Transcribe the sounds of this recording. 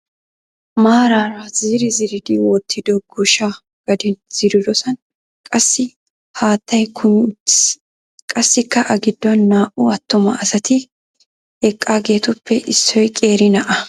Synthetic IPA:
maːɾaːɾaz̥iːɾɪzɪɾɪd̪ɪwɔt̪ʰːɪd̪ɔɡɔʃa | ɡ̥ɐd̪ɪnz̥ɪɾɪd̪ɔsɐn | kʼɐsːɪ | haːt̪ːɐjkʰʊmʊt͡ʃːɪ̥s | kʼɐsːɪkːɐʔɐɡɪd̪ːɔnːaːʔʊɐt̪ːʊmɐ̰ʔɐsɐt̪ɪ | ɛkʼːaːɡe̞ːt̪ʊpːɛʔɪsːɔjkʼe̞ːɾɪnɐʔɐ

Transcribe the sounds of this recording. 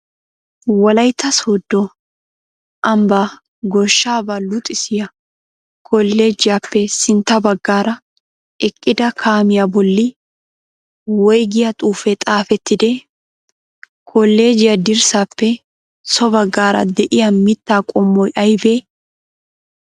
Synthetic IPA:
wɐlɐjt̪ːɐsoːd̪ːɔ | ʔɐmba | ɡɔʃːaːbɐlʊt̪ʼːɪsɪjɐ | kʰɔlːe̞ːd͡ʒɪjaːpːɛsɪnt̪ɐbɐɡːaːɾɐ | ʔɛkʼːɪd̪ɐkʰaːmɪjɐbɔlːɪ | wɔjɡɪjɐt̪ʼuːfɛt̪ʼaːfɛt̪ːɪd̪e | kʰɔlːe̞ːd͡ʒɪjɐd̪ɪɾsapːɛ | sɔbɐɡːaːɾɐ̰d̪ɛʔɪjɐmɪt̪ːaːkʼɔmːɔjʔɐjbe̞ː

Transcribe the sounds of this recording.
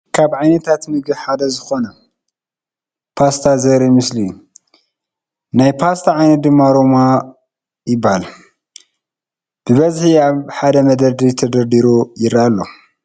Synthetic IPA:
kʰabʕajnɐt̪ʰat̪mɨɡɨβħad̪ɐzɨxo̞nɐ | pʰast̪ʰazɐɾimɨsli | najpʰast̪ʰaʕajnɐt̪̚d̪ɨmːaɾoma | jɪbːahal | b̥ɨβɐzħiaβħad̪ɐmɐd̪ɐd̪it̪ʰɐd̪ɐɾd̪iɾojɪɾaalːo̰

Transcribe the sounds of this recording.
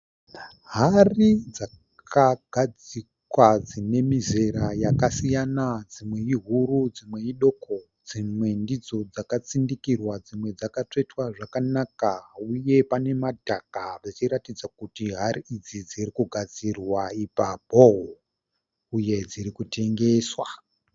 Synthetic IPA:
ɦarid͡za | kʰaɡ̥ʱad͡zikwad͡zine̞mizeɾajakasijanad͡zimwe̞iɦuɾud͡zimwe̞iɗo̞kʰo̞ | d͡zimwe̞ndid͡zo̞d͡zakat͡sindikirwad͡zimwe̞d͡zakat͡ʂetwaʐakanakauje̞pane̞madʱakaret͡ʃiɾatid͡zakutiɦaɾiid͡zid͡ziɾikuɡʱad͡zirwaipabʱoɦo | uje̞d͡ziɾikute̞ŋɡe̞ːswa

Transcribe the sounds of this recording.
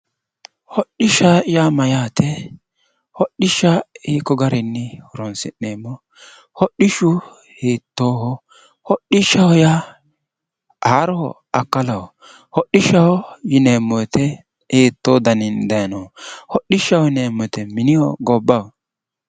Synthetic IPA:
hɔɗɪʃaɪjamɐjaːt̪ʰɛ | hɔɗɪʃaiːkːɔɡɐɾɪnːɪhɔɾɔnsɪ̰nːeːmːɔ | hɔɗɪʃʊ | heːt̪ːoːhɔ | hɔɗɪʃɐhɔja | ʔaːɾɔhɔ̰ | ɐkːɐlɐwɔ | hɔɗɪʃɐhɔjɪneːmːɔt̪ʰɛ | heːt̪ːoːd̪ɐnɪnd̪ɐjnɔhɔɗːɪʃɐwɔneːmːɔt̪ɛmɪnɪjɔɡɔbːɐwɔ

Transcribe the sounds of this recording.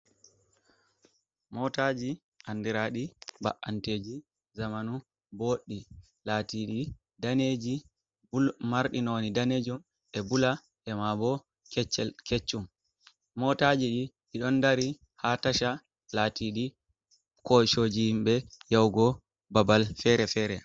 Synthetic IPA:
mɔtad͡ʒi | ʔandiɾaɗiba̰ʔːanteːd͡ʒi | zamanu | boɗːi | latiɗi | daned͡ʒi | bulmaɾɗinonidaned͡ʒum | ɛbula | ʔɛmabɔ | kɛt͡ʃːɛket͡ʃːumː | ɔtad͡ʒiɗiɗiɗɔndaɾi | hataʃa | latiɗi | kojʃoːd͡ʒihimɓɛjawɡɔ | babalfɛɾɛfɛɾɛ

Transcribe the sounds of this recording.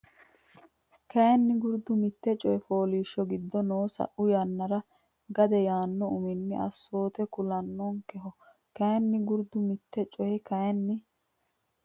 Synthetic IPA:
kɐjɐnːɪɡʊɾd̪ʊmɪt̪ːɛt͡ʃʼɔjɛfo̞ːliːʃːɔɡɪd̪ːɔnoːsɐ̰ʔʊjanːɐɾɐ | ɡɐd̪ɛjaːnːɔʊmɪnːɪʔɐ̰sːo̞ːt̪ɛkʊlɐnːɔŋkɛɦɔ | kɐjɐnːɪɡʊɾd̪ʊmɪt̪ːɛt͡ʃʼɔjɛkɐjɐnːɪ

